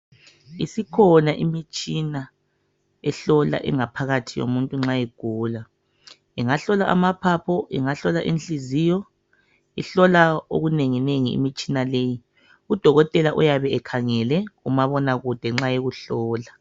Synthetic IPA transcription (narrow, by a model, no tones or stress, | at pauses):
ḭsikʰɔnaʔimit͡ʃʼina | ɛɬɔla̰ʔɛ̰ŋapʰaɣatʰijo̰muntʼuŋ͡ǁaɛɡ̥ʱuːla | iŋaɬɔlaʔa̰mapʰapʰɔʔḭŋaɬɔlaʔinɬizijɔ | iɬɔlao̰ɣuneŋineŋḭːmit͡ʃʼinaleji | ud̥ʱɔɣɔtʼɛlaʔujaβɛɛkʰaŋɛlɛɣumaβɔnaɣud̥ʱɛŋ͡ǁajeɣuɬɔːla